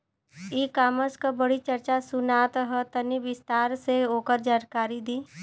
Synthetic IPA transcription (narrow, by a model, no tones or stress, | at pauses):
iːkaːməskabəɽit͡ʃəɾt͡ʃasʊnaːt̪ɦət̪əniʋɪst̪aːɾseoːkəɾd͡ʒaːnkaːɾid̪iː